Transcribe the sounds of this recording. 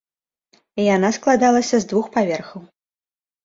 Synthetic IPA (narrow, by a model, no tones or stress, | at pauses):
ijan̪asklˠad̪alˠɐsʲɐzd̪vuxpavʲɛrxɐw